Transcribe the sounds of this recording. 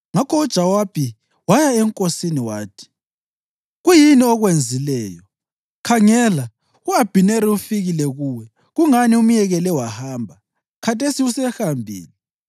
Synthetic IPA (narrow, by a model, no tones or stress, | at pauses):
ŋakʰɔud̥ʒ̥ʱawab̥ʱʼi | wajaɛŋkʼosiniwaːtʰi̥ | ɣujiniɔɣwend͡zʱilɛːjɔ | kʰaŋɛla | uab̥ʱineɾiufiɣilɛɣuːwɛ | ɣuŋanium̩jɛɣɛlɛwahaːmbʱa | kʰatʰesiusɛhambʱḭːlɛ